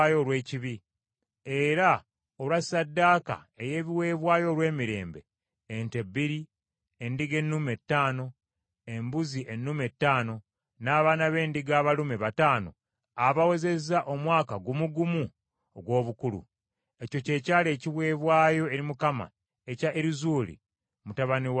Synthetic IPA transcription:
ajo̞lwe̞ːciβi | e̞ɾa | o̞lwasadːaːka̰ | e̞je̞ːβiwe̞ːβwaːjo̞ɾwe̞ːmiɾe̞̰ːmbe̞̰ː | nte̞biɾi | e̞ndiɡe̞nːume̞tːaːno̞ | e̞mbuziʔe̞nːume̞tːaːno̞ | naːβaːnaβe̞ːndiɡaːβalumeβataːno̞̰ | aβawe̞ze̞zaʔo̞mwaːkaɡumuɡumu | oɡwo̞ːβukulṵ | e̞co̞ce̞ːcaːle̞ːciβwe̞ːβwaːjo̞e̞ɾimukama̰ | e̞caʔeɾizuːlḭ | mutaβaniw

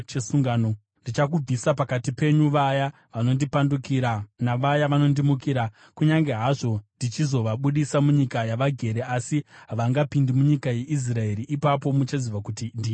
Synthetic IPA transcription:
t͡ʃesuŋɡaːno | ndit͡ʃak̬ub͡visapakatipe̞ɲuʋaja | ʋano̞ndipandukiɾanaʋajaʋano̞ndimukiɾa | kuɲaŋɡe̞ɦaʐo̞ndit͡ʃizo̞ʋaɓuɗisamuɲikajaʋaɡʱe̞ɾe̞asiɦaʋaŋɡapindimuɲikajeʔis̬rae̞ɾiʔipapo̞mut͡ʃaziʋakutindi

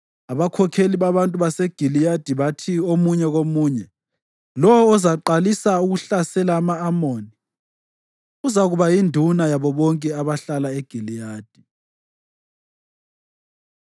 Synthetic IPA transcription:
aβakʰɔkʰeliβaβantʼuβaseɡ̥ʱilijad̥ʱiβatʰiomuɲɛɣomuːɲɛ | lɔwɔːzaǃalisauɣuɬasɛlaːmaːmoːni | ɣuzaɣuβajindʱunajaβɔβɔŋkʼɛaβaɬalaeɡ̥ʱilijaːd̥ʱi

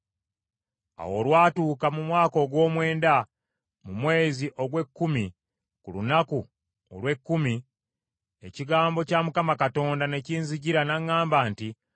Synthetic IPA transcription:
a̰wo̞lwaːtuːkamumwaːko̞ɡwo̞ːmwe̞ːnda | mumwe̞ːziʔo̞ɡwe̞kːumi | kulṵnaku | o̰lwe̞kːumi | e̞ciɡaːmbo̞camukamakato̞ːndane̞ciːnziɟiɾanaŋːaːmbanti

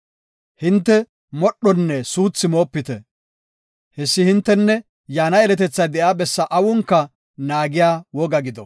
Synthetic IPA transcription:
hɪnt̪ːɛ | mɔɗːɔnːɛsuːt͡sːɪmo̞ːpːɪt̪ɛ | hɛsːɪhɪnt̪ːɛnːɛ | jaːnɐɛlɛt̪ɛt͡sːɐd̪ɛʔaːbɛsːɐʔɐwʊŋkːɐ | naːɡɪjaːwɔɡɐɡɪd̪ɔ

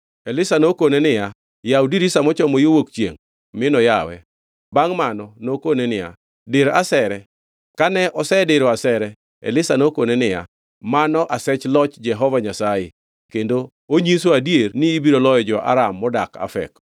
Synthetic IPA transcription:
elɪsanokonenɪja | jaudiɾisamɔt͡ʃɔmojowokt͡ʃjḛŋ | mɪnɔjawɛ̰ | baŋmanɔnokonenɪja̰ | dɪɾasɛɾɛ | kanɛʔɔsɛdɪɾoasɛɾɛ | ḛlɪsanokonenɪja̰ | manɔʔasɛt͡ʃlɔt͡ʃd͡ʒɛɦɔvaɲasaje | kendo | oɲisoadjernɪːbiɾolɔjɔd͡ʒɔʔa̰ɾamːɔdaka̰fɛ̰k

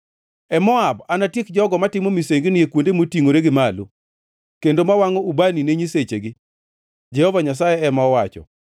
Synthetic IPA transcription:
ɛmɔabanatɪkd͡ʒɔɡɔmatɪmomiseŋɡɪnɪjekwondemotiŋoɾeɡɪmalo̰ | kendomawaŋɔubanineɲiset͡ʃeɡɪ | d͡ʒɛhɔvaɲas̬ajɛɛmaɔwat͡ʃɔ̰

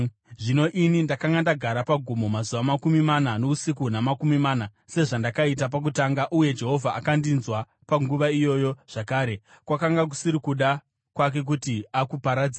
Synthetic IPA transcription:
ʐino̞ʔinindakaŋɡandaɡʱaɾapaɡʱomo̞mazuʋamakumimanano̞usikunamakumimaːna | se̞ʐandakait̬ap̬ak̬utaŋɡaʔuje̞d͡ʒe̞ɦo̞vʱaːkandinzwa | paŋɡuʋaijo̞jo̞ʐ̥akaːɾe̞ | kwakaŋɡak̬u̥siɾikuɗa | kwak̬e̞k̬utiakupaɾad͡zia

